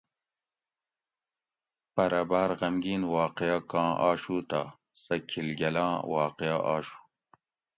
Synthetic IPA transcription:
pɐɾɐbaːɾʁɐmɡiːnwɑːqejakɑ̃ːʔa̰ːɕuːt̪a | sɐkʰilɡɐlãːwɑːqejaʔaːɕu̥

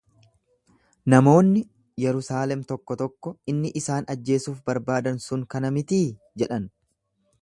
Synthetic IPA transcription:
nɐmo̞ːnːɪ | jɛɾʊsaːlɛmt̪ɔkːɔt̪ɔkːɔɪnːɪʔɪsaːnɐd͡ʒːe̞ːsuːfbɐɾbaːd̪ɐnsʊŋkɐnɐmɪt̪iː | d͡ʒɛᶑɐn

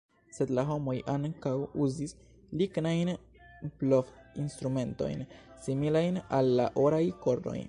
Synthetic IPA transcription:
se̞d̪laɦo̞mo̞jʔaŋkawuzis | liknajn | plofinst̪ɾume̞nto̞̰jnsimilajnalːa̰ʔoɾajko̞ɾdo̰j

